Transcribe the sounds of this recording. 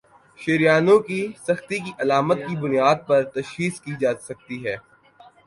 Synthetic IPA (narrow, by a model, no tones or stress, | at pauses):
ʃeɾijaːnõkisɐxt̪ikiʔɐlaːmət̪̚kibʊnijaːd̪̚pɐɾt̪ɐʃxiːzkid͡ʒaːsɐk̚t̪iɦɛː